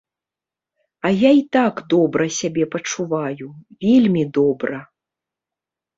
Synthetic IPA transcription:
ɐjait̪aɡd̪ɔbɾɐsʲabʲɛpɐt͡ʂuvajuvʲelʲmʲid̪ɔbɾɐ

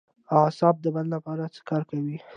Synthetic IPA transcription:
ɑsɑb̚d̪əballapɑɾat͡sə̥kɑɾkawi

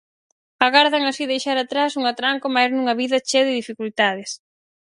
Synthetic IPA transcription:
aɣaɾðɐŋasiðejʃaɾat̪ɾasuŋat̪ɾaŋkomajznuŋɐβiðɐt͡ʃeðɪðifikult̪að̞ɪs

